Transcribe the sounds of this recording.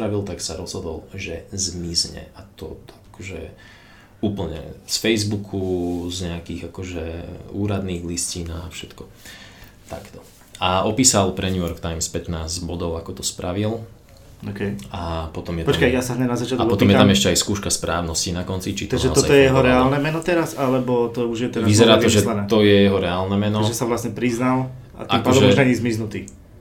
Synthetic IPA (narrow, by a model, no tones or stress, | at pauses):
ɾaʋilt̪aksaɾɔz̥ɦɔd̪ɔlʒɛzmizɲɛ̰at̪ɔ̰akɔʒɛ̰ | uːpl̩ɲɛ̰sfɛjzbukʰuzɲɛakiːɣakɔʒɛuːɾad̪niːɣliscinafʃɛt̪kɔ | t̪a̰kt̪ɔ̥ | aɔpiːsalpɾɛɲujɔɾkt̪ajmspɛt̪naːzɟbɔd̪ɔʊakɔt̪ɔspɾaʋil | okɛjapɔt̪ɔmjɛt̪pɔt͡ʃkajjasaɦɲɛmnazat͡ʃɪat̪aɔt̪ɔmjɛat̪amɛʃcɛajskuːʃkaspɾʔaːʊnɔscinakɔnt͡sit͡ʃit̪aɡ̪ʒɛɔɔzaɔjɛjɛɦɔɾɛaːlnɛmɛnɔt̪ɛɾasalɛbɔt̪ɔuʒjɛt̪ɛɾʋizɛɾaːt̪ɔʒɛlanɛt̪ɔjɛjɛɦɔɾɛaːlnɛmɛnɔaʒɛsaʋlasɲɛpɾiznal | a̰t̪imkpaɔːd̪ɔɛmʒaɲizmiznut̪iː